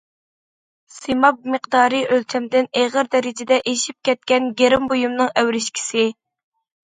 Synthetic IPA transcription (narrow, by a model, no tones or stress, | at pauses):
semɑp̚məqd̪ɑːɾɨʔølt͡ʃ̪ʰɛmd̪ɪneʁəɾd̪ɛɾɪd͡ʒɪd̪ɛʔeʃip̚kʲʰɛt̪̚kʲɛnɡʲeɾɪmbojumnɨŋæwɾɪʃkʲʰi̥sɪ